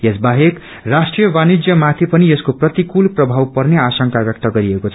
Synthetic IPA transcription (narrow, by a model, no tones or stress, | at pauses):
jesbaɦek | rasʈrijʌbanid͡zjʌmat̪ʰipʌnieskoprʌt̪ikulprʌbʱawpʌrneasʌŋkabjʌk̚t̪ʌɡʌɾiekot͡sʰʌ